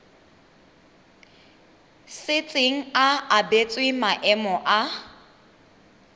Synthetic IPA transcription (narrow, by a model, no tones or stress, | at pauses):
sɪt͡sʼɪŋ̩aabet͡sʼwɪmaʔɛmɔʔa